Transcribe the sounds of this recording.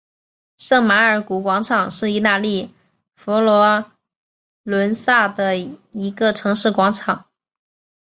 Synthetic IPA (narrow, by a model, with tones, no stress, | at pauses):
sɤ˥˩ŋma˧˥ə˞˨˩ku˧˥kwɑ˧˥ŋʈ͡ʂʰɑ˨˩˦ŋʂɻ̩˥˧i˥˧t̪a˥˧li˥˩ | fɔ˧˥lwɔ˧˥ | lwə˧˥nsa˥˩d̪ə˩i˧˥ɡə˧ʈ͡ʂʰɤ˧˥ŋʂɻ̩˥˩kwɑ˧˥ŋʈ͡ʂʰɑ˨˩˦ŋ